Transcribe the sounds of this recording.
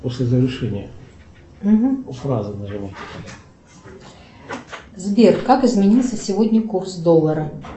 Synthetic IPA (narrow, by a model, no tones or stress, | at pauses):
posʲlʲɪzəɾʲɪʂɛnʲɪjə | m̩ɦm̩frazɨnəʐɨmat̪ʲɪt̪ad̪a | zbʲerkakɪzmʲɪnʲilˠsʲəsʲɪvodʲnʲəkursd̪olˠːəɾə